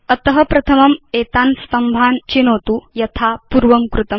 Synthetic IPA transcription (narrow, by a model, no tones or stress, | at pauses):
ɐt̪əɦɐpɾɐt̪ʰɐmɐmet̪anst̪ɐmbʱant͡ɕinoːt̪ujɐt̪ʰapuɾʋɐmkɾut̪ɐm